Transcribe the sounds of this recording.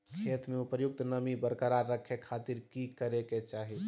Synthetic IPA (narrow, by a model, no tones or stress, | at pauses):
kʰet̪meupəjʊk̚t̪nəmibəɾkəɾaɾəkʰekʰat̪iɾkikəɾeket͡ʃaːɦi